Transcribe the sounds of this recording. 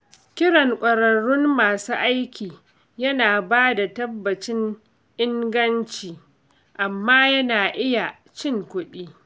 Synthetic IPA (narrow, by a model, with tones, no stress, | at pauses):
kʲɪ˦ɽɐ˨ŋkʷʼɐ˨ɾɐ˨ɽʊ˦mmaː˨suː˦ʔa˦jkʲʰiː˨ | jɐ˦naː˨baː˦da˨tɐ˦bːɐ˨t͡ʃɪ˦n | ʔɪ˦ŋɡɐ˦nt͡ʃiː˨ | ʔa˨mːaː˦jɐ˦naː˨ʔɪ˦ja˨ | t͡ʃɪ˦˨ŋkʷʊ˦ɗiː˦